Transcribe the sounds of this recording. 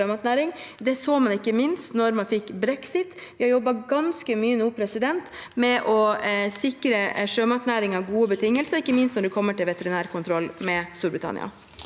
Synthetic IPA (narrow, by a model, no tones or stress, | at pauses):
øːmɑt̪næːɾɪŋd̪ɛsoːmɑnɪkːəmɪnst̪nɔɾmɑnfɪkːbɾɛksɪt̪ʋʋɪhɑɾjɔbːɑɡɑnskəmyːənuːpʰɾɛsɪd̪ɛnt̪mɛʔɔsɪkɾəʂøːmɑt̪næːɾɪŋɑʋɡuːəbət̪ʰɪŋːəlsəɾɪkːəmɪnst̪nɔɖɛkʰɔmːəʈɪlʋɛt̪əɾɪnæːɾkʰʊnt̪ʰɾɔlːmɛst̪uːɾbɾɪt̪ʰɑ̰nɪ̰ɑ̰